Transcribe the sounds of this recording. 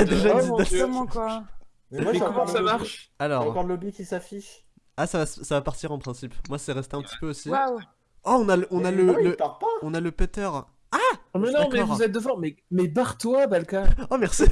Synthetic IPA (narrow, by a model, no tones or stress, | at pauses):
d̪eʒaid̪amɑ̃kwa | ɛakɔmɑ̃samaʁʃalɔːʁpalɔbikʲisafiʃ | asavassavapaʁt̪iʁɑ̃pχɛ̃sipmwasɛʁɛst̪eɛ̃pət̪i̥pøosiwaw | ɔɔ̃nalɔ̃naləiəpaʁpaɔ̃naləpɛt̪œʁ | amɛnɔãmkɛɔvuzɛt̪̚d̪əfɑ̃mɛmɛbaʁt̪wabalkaɔmɛʁsi